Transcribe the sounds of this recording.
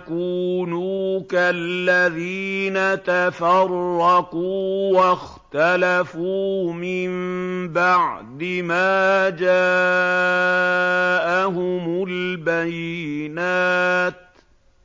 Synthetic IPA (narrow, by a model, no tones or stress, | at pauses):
kuːnuːkallːaðiːnat̪afɑrˤːɑquːwax | t̪alafuːmɪmbaʕd̪ɪmaːd͡ʒaː | ʔaɦʊmʊlbajɪnaːt̪̚